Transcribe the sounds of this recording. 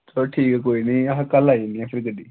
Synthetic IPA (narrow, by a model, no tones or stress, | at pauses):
t̪ʰoʈʰiːkɛk̬oːiːnĩːɐɦãːkəlaːiniãːpʰɪɾkəɖiː